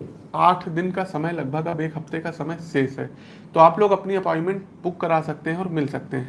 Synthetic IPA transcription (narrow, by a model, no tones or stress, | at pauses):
aːʈʰd̪ɪnkasɐməjlɐɡ̚bʱəɡɐbeːkʰɦɐft̪ekasɐməjseːsɦɛ̰ː | t̪oːaːploːɡɐpniɐpɔːɪnmɛ̃ɳʈbʊkːɐɾaːsɐk̚t̪eɦɛ̃ɔːɾmɪlsɐk̚t̪eɦɛ̃ː